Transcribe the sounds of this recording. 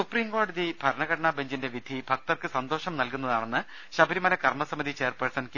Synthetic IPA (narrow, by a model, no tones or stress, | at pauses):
supriːŋkoːɖɐðibʱɐɾɐɳɐɣɐʈɐɳaːbʱɐɲd͡ʑinde̞ʋid̪ʱibʱɐk̚t̪ɐrkɨsɐnd̪o̞ːʂɐmnɐlkunːɐðaːɳe̞nːɨ | ɕɐbʱɐɾimɐlɐkɐrmɐsɐmid̪ʱit͡ɕe̞ːrpɐrsɐnkɨ